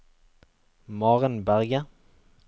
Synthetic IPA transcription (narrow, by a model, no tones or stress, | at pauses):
mɑːʁənbæʁɡə